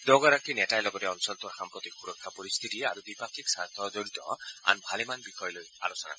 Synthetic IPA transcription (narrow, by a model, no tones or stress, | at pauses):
d̪ɔɡɔɾak̚inetajlɔɡɔteɔnsɔlt̪ɔɾxampɾɔt̪ikʰːuɾɔkʰːapɔɾist̪ʰit̪ia̰ɾubipakʰiksaɾt̪ʰːɔd͡ʒoɾit̪ɔ̰a̰nbʱalemanbixʰɔjloja̰losɔna̰